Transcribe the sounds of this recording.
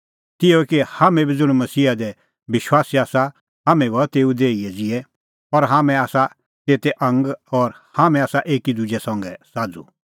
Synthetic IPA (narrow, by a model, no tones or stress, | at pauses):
t̪ɪɔkihaːmɛ̃bʱid͡zʊɽ̃umɐsiːad̪ɛ | bɪʃwaːsiaːsa | ɦaːmɛ̃bɔt̪eːud̪eːiɛd͡zɪɛ | ɐɾɦaːmɛ̃aːsa | t̪eːt̪ɛʔɐ̃ŋɡɔːɾ | haːmɛ̃aːsaʔeːkid̪ud͡ʒɛsɐ̃ŋɡɛsaːd͡zṵ